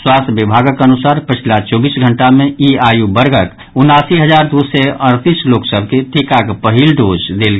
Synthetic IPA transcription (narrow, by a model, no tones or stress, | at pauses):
swast̪ʰbibʱaɡəkənusaɾpət͡ʃʰilat͡ʃɔbiːsɡʱəɳʈamẽʔiajubəɾɡək | unasiɦəd͡ʒaɾd̪usɛəɾt̪isloksəb̚ʱket̪ʰekakpəɦilɖod͡ʒd̪elɡ